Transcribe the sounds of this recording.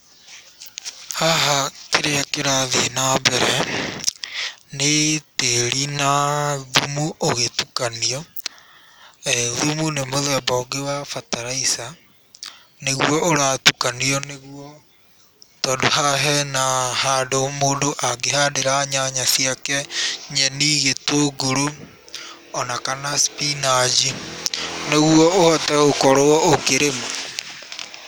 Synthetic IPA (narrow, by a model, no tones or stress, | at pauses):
haɦakeɾeakeɾaðienabɛɾɛ | neteɾinaðumuoɣetukaniɔ | ɛðumunemoðɛbɔɡewafataɾaisa | neɣwɔʔoɾatukaniɔneɣwɔ | tɔːdoɦaɦɛnahadomoːndoʔaɡeɦadeɾaɲaɲasiakɛɲɛniːɣetoːɡoɾo | ɔnakanaspinad͡ʒi | neɣwɔohɔtɛɣokɔɾoɔokeɾema